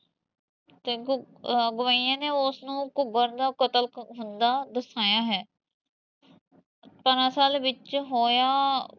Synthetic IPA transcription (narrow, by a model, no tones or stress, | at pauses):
t̪eː | ɡʊʋaːijãːneːʊsnũːkʊɡəɾd̪aːkət̪əlkɦʊnd̪aːd̪əsaːjaːɦɛː | pəɾãːsaːlʋɪt͡ʃɦoːjaː